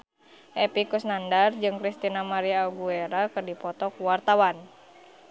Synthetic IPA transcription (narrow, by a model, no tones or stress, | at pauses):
ʔɛpikusnandard͡ʒɨŋkɾist̪inamaɾiaːɡueɾakɨrdipɔt̪ɔkuwart̪awan